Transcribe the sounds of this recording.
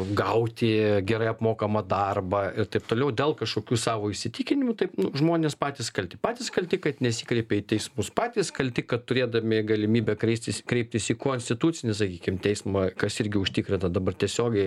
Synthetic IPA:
ɡɐʊt̪ʲɪɡʲɛɾɐɪɐpmoːkɐmɐd̪ɐrbɐɪrt̪ɐɪp̚t̪oːlʲɛʊd̪ʲeːlˠkɐʃkoːkʲuːsɑːʋoːɪʃʲsʲɪt̪ʲiːkʲɪnʲɪmʊt̪ɐɪpnʊʒmoːnʲeːspɑːt̪ʲiːskɐlʲt̪ʲɪpɑːt̪ʲiːskɐlʲt̪ʲɪkɐt̪nʲɛsʲikɾʲɛɪpʲɛiːt̪ʲɛɪsmʊspɑːt̪ʲiːskɐlʲt̪ʲɪkɐt̪t̪ʊɾʲeːd̪ɐmʲɪɡɐlʲɪmʲiːbʲɛkɾʲɛɪsʲt̪ʲɪskɾʲɛɪp̚ʲt̪ʲɪsikoːnʲsʲt̪ʲɪt̪uːt̪sʲɪnʲɪs̬ɐkʲiːkʲɪmt̪ʲɛɪsmɐkɐsɪɾʲɡʲɪʊʃʲt̪ʲikɾʲɪnt̪ɐd̪ɐbɐrt̪ʲɛsʲoːɡʲɛɪ

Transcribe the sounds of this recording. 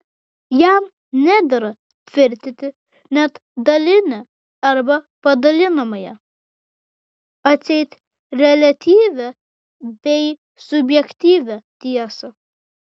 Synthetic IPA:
jæm | nʲæd̪ʲɐɾɐ | t̪ʲʋʲɪɾʲt̪ʲɪt̪ʲɪ | nʲɛt̪d̪ɐlʲɪnʲɛ | ɐɾbɐ | pɐd̪ɐlʲɪnɐmɐjɛ | ɐt̪sʲɛɪt̪ʲ | ɾʲɛlʲɐt̪ʲiːʋʲɛ | bʲɛɪ | sʊbʲjɛkt̪ʲiːʋʲɛt̪ʲiɛsɐ

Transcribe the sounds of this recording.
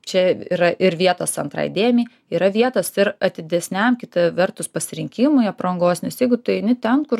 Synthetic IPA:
t͡ʃʲɛḭːɾɐʔɪɾʋʲiɛt̪oːsɐnt̪ɾɑ̰ɪd̪ʲeːmʲɪj | iːɾɐʋʲiɛt̪oːsɪɾɐt̪ʲɪd̪ʲɛsʲnʲɛmkʲɪt̪ɐʋʲɛrt̪ʊspɐsʲɪɾʲɪŋʲkʲɪmʊɪɐpɾɐŋɡoːsnʲɛsjɛɪɡʊt̪ʊɛɪnʲɪt̪ʲɛnkʊr

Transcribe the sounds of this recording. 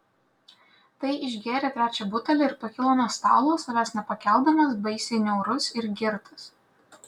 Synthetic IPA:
t̪ɐɪʔɪʒʲɡʲeːɾʲet̪ʲɾʲæːt͡ʃʲɛbʊt̪ɐlʲɛɪɾpɐkʲɪlˠoːmoːst̪ɑ̰ːlˠoːsɐlʲæːsnʲɛpɐkʲɛlˠˑd̪ɐmɐsbɐɪsʲɛɪnʲɛʊɾʊsɪɾɡʲɪɾt̪ʰɐ̥s

